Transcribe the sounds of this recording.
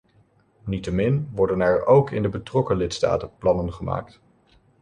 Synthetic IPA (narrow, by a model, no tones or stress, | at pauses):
nitəmɪnʋɔɹdənɛɹowkɪ̰ndəbətrɔkəlɪtsta̰ːtəplɑnənχəma̰ːk̚t